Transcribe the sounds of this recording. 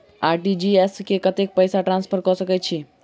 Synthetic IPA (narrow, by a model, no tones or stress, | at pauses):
aːɾʈid͡ʒieskekət̪ek̚pəjsaʈɾãːnspʰəɾkəsəkət͡ʃʰi